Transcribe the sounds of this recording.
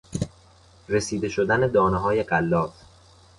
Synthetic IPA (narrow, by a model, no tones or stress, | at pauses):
ɾe̞siːd̪e̞ʃod̪æne̞d̪ɒːneɦɒːje̞ɢælːɒːf